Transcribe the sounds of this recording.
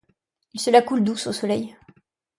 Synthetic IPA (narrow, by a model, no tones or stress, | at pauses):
ilsəlakuld̪usosɔlɛj